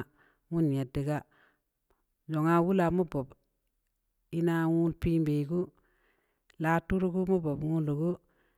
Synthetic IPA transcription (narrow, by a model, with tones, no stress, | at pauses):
ŋu˦n˨je˨di˨ɡa˦ | d͡ʒo˨ŋa˦wu˦la˨mu˦bo˨b | i˦na˦ŋu˦lpi˦mbe˨i˨ɡu˦ | la˦tu˦ɾu˦ku˦mu˦bo˨bŋu˦lu˨ku˦